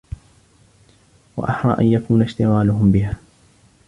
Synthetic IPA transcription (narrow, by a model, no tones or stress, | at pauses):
wa̰ʔɑħɾˤɑ̰ːʔa̰njakuːnaʃt̪ɪɣaːlʊɦʊmbɪɦaː